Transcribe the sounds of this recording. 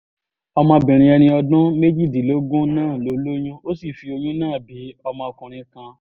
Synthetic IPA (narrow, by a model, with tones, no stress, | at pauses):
ɔ˧mã˧bĩ˨ɾ̃ĩ˧ɛ˧ɾĩ˧ɔ˧dʊ̃˦me˦d͡ʒi˦˨di˨lo˨˦ɡũ˦nãː˦˨lo˨˦lo˦jũ˦o˦si˦˨fi˧o˧jũ˦nãː˦˨bi˨˦ɔ˧mã˧ɔ˧kũ˨ɾ̃ĩ˧˦kã˧